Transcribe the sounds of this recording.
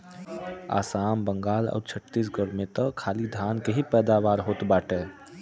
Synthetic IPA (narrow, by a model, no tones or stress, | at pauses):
a̰ːsaːmbə̃ŋɡaːlɔ̰ːɾt͡ʃʰət̪ːis̬ɡəɽmẽt̪əkʰaːlid̪ʱaːnkeɦipɛːd̪aːʋaːɾɦoːt̪baːʈɛː